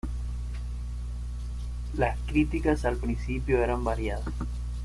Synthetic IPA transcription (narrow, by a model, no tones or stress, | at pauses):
laskɾit̪ikasalpɾinsipjoeɾambaɾjaðas